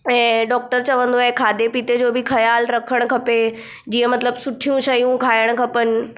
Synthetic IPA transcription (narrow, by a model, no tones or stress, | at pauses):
ɛ̃ːɖɔːk̚ʈəɾt͡ɕɐʋə̃nd̪oaɦekʰaːd̪epiːt̪ed͡ʑoːbɪxʰɐjaːlɾɐkʰəɽ̃̆kʰɐpe | d͡ʑiːə̃mɐt̪ləbsʊʈʰijũʃɐjũkʰaːɪəɽ̃ʊ̆kʰɐpənɪ̆